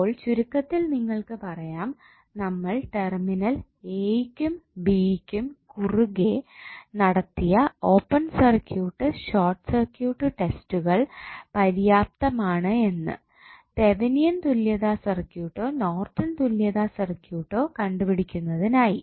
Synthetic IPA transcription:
oːɭt͡ɕuɾukːɐt̪ːilniŋːɐɭkɨpɐrɐjaːm | nɐmːɐɭʈe̞rminɐl | eːjkʲːumbiːkʲːumkuruɡenɐɽɐt̪ːijɐo̞ːpːɐnsɐrkjuːʈːɨɕoːrʈsɐrkjuːʈːɨʈe̞stuɣɐɭpɐɾjaːp̚t̪ɐmaːɳɨe̞nːɨ̰ | t̪e̞ʋinijɐnt̪uljɐðaːsɐrkjuːʈːo̞ːno̞ːrt̪ːɐnt̪uljɐðaːsɐrkjuːʈːo̞ːkɐɳɖupiɽikʲːunːɐðinaːji

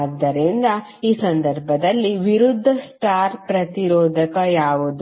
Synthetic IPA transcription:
d̪ːɐɾind̪ɐ | iːsɐnd̪ɐɾbʱɐd̪ɐlːiʋiɾud̪ʱːɐsʈaːɾpɾɐt̪iɾɔːd̪ʱɐkɐjaːʋud̪u

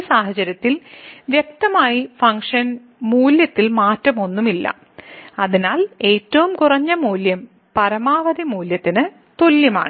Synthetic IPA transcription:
saːɦɐt͡ɕɐɾjɐt̪ːilʋjek̚t̪ɐmaːjifɐŋkʂɐn | muːljɐt̪ːilmaːtrɐmo̞nːumilːɐ̰ | ɐðinaːle̞ːtːɐʋumkurɐɲːɐmuːljɐm | pɐɾɐmaːʋɐðimuːljɐt̪ːinɨ | t̪o̞ljɐma̰ːɳɨ

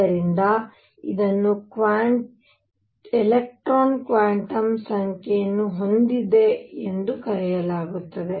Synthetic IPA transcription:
ɐɾind̪ɐ | id̪ɐnːukʋaː | elek̚ʈɾoːnkʋaːɳʈɐmsɐŋkʰɛjɐnːuɦo̞nd̪id̪e̞ːnd̪ukɐɾɛjɐlaːɡut̪ːɐd̪e̞

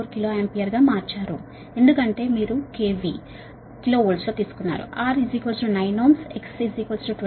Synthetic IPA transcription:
oɾkiloːempijɐɾɡaːmaːɾt͡ʃaːɾu | end̪ukɐɳʈe̞ːmiːɾukeːʋi | kilo̞ːulsloːt̪iːsu̥kunːa̰ːɾṵʔaːɾizikɐlsɾunɐjnoːmseksizikɐlsɾuʈ

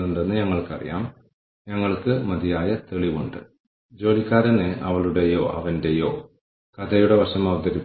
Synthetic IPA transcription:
uɳɖenːɨɲɐŋːɐɭkɐrḭja̰ːm | ɲɐŋːɐɭkɨmɐd̪ijaːjɐt̪eɭiʋuɳɖɨ̰ | d͡ʑo̞ːlikʲːaːɾɐneʔɐʋɐɭuɽe̞jo̞ːʔɐ̰ʋɐndejo̞ː | kɐd̪ʰʱɐjuɽeʋɐʂɐmɐʋɐd̪ɐɾi

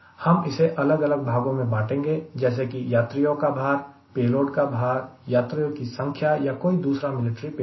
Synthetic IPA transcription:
hɐmɪseʔɐləɡɐləɡ̚bʱaːɡõmẽbaːʈẽːŋɡed͡ʒɛːs̬ekijaːt̪ɾijõkabʱaːɾ | peːloːʈkabʱaːɾjaːt̪ɾijõkisə̃ŋkʰjajakoːid̪uːsɾamɪlɪʈɾipe

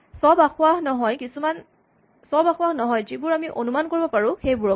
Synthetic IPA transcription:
sɔbaxʊwahnɔɦɔjkisuman | sɔbaxwahnɔɦɔjzibʊɹamiʔonumankoɹibɔpaɹʊ̃xejbʊɹɔ

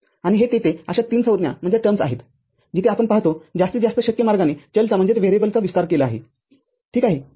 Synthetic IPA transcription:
aɽ̃iɦet̪et̪eəɕat̪iːnsəʋəd̪nja̰m̤əɳd͡zjʈəɾmsa̰ɦet̪ | d͡ʑit̪eapəɳpaɦt̪od͡zast̪əd͡zast̪əɕəkjəmaɾɡanet͡ɕəlt͡sam̤əɳd͡zet̪ʋeɾebəlt͡saʋist̪aɾkelaːɦḛ | ʈʰiːkaɦe

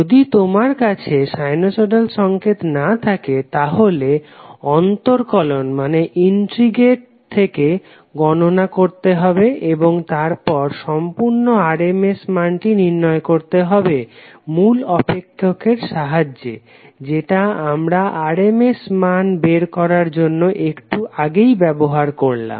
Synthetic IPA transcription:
od̪it̪omaɾkat͡ɕʰeʃajnosoɖalʃɔŋket̪nat̪ʰaket̪aɦoleɔnt̪oɾkɔlonmaneʔinʈɾiɡeʈ̚t̪ʰːeke | ɡɔnonakoɾt̪eɦɔbeʔeboŋt̪aɾpɔɾʃɔmpuɾnoaɾemesmanʈiniɾnɔekoɾt̪eɦɔbe | mulɔpekʰːokeɾʃaɦad͡ʑːḛ | d͡ʑeʈaamɾaʔaɾemesmanbeɾkɔɾaɾd͡ʑonːoʔekʈuʔaɡejbɛboɦaɾkoɾla̰m

